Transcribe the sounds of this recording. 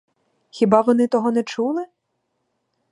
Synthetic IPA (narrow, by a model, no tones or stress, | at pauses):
xʲibɑʋɔnɪt̪ɔɦɔnɛt͡ʃulˠɪ